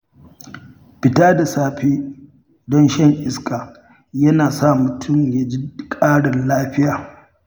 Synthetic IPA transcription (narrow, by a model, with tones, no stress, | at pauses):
ɸɪ˨taː˦da˨saː˦ɸeː˦ | dɔ˦nʃɐ˦ŋʔɪ˦skaː˨ | jɐ˦naː˨sa˦˨mʊ˨tʰʊ˦˨mja˦d͡ʒi˦kʼaː˦ɽɪ˨nlaː˦ɸɪ˦jaː˨